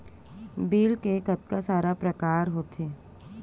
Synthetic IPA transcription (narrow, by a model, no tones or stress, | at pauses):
biːlkekɐt̪̚kasaːɾapɾəkaːɾɦoːt̪eː